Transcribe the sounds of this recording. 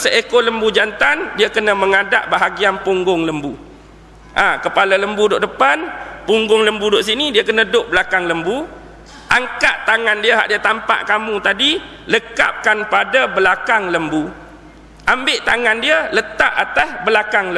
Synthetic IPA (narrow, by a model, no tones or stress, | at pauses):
səʔekoləmbud͡ʒant̪andiakənə̃məŋadaʔbaɦaɡianpuŋɡʊŋləmbu | ʔãkəpalaləmbudoʔdəpanpuŋɡʊŋləmbudoʔsinidiakənə̃dʊʔbəlakaŋləmbu | ʔaŋkaʔt̪aŋãndiaɦa̰ʔdiat̪ampa̰ʔkamũt̪adi | ləka̰p̚kanpadabəlakaŋləmbu | ʔambɪʔt̪aŋãndiələt̪aʔat̪asbəlakaŋlə